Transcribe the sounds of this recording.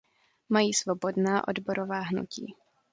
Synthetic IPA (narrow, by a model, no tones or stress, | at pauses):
majiːsvobo̞dnaːʔo̞̰dbo̞ɾovaːɦnṵcḭː